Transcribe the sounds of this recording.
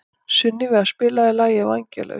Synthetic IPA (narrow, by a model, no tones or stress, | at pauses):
sʏnːɪvɛðḁspɪːlaðɪlaːjɪvaɲcɛ̰lɛ̰